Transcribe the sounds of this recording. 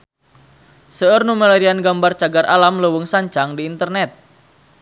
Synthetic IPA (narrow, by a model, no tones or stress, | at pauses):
səərnumaleɾianɡambart͡ʃaɡarʔalamləwəŋsaɲt͡ʃaŋdiːnt̪ərnɛt̪̚